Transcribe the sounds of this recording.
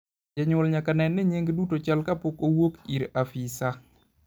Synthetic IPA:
d͡ʒɛɲʊlɲakanɛnːɪɲeŋɡdutot͡ʃalkapokowokiɾafisa

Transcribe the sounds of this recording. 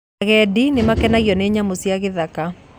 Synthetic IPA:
ɣɛdinemakɛnaɣiɔneɲamosiaɣeðaka

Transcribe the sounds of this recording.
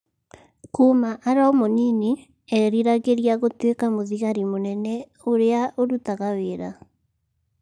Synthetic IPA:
kumaʔaɾaomonini | ɛɾiɾaɣeɾiaɣotwekamoðiɣaɾimonɛnɛ | oɾeaʔoɾutaɣaweːɾa

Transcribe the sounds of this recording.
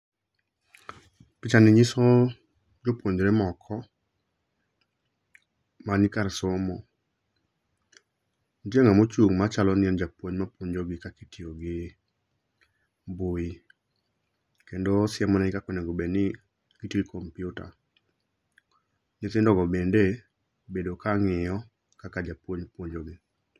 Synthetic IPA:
pɪt͡ʃanɪɲɪsɔ | d͡ʒopwoɲd͡ʒɾemɔkʰɔ | manɪkaɾsomɔ | d͡ʒeŋamot͡ʃuŋmat͡ʃalɔnɪɛnd͡ʒapwoɲmapwoɲd͡ʒoɡɪkakitioɡɪ | bʊi | kendosɪɛmɔnaɪkakonɛɡobenɪ | kitiɾkʰɔmpjʊta̰ | ɲɪt̪ɪndɔɡɔbende | bedokaŋɪjɔ | kakad͡ʒapwoɲpwoɲd͡ʒoɡɪ

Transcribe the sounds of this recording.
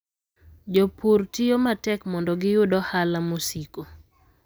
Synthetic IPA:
d͡ʒopurtɪjomatɛkmɔndɔɡɪjʊdɔhalamosiko

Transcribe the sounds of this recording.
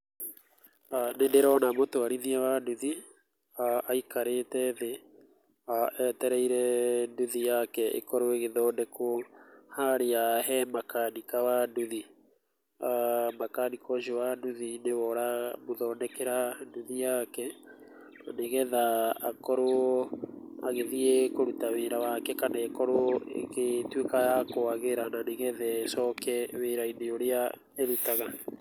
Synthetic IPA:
anendeɾɔnamotwaɾiðiɛwaduði | aaikaɾetɛðe | aʔɛtɛɾɛiɾɛnduðijakɛʔḛkɔɾoeɣeðɔːdɛk | haɾeaɦɛmakanikawaduði | amakanikɔʃowaduðinewɔɾamoðɔnɛkeɾaduðijakɛ | aneɣɛðaːkɔɾo | aɣeðiɛkoɾutaweɾawakɛkanaːkɔɾoḛketwekajakoaɣeɾananeɣɛðɛsɔːkɛweːɾaineoɾea | eɾutaɣa

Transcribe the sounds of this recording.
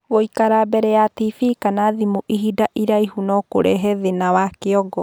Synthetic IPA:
woikaɾabɛɾɛjatifikanaðimuʔiɦidaʔiɾaiɦunɔko̰ɾɛɦɛðenawakeɔɡɔ

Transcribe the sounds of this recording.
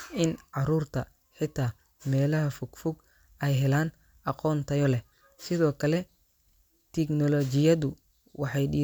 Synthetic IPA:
ɪnʕɑɾuːrt̪ʰɐ | ħɪt̪ʰːaː | mɛːlɐɦɐfʊɡ̥fʊɡ | ɛjɦɛlaːn | ʔɑqɔːnt̪ʰɐjɔlɛ | sɪðɔːkʰɐlɛ | t̪ʰɛknɔlɔt͡ʃɪjɐðʊ | wɑħɑjɖiː

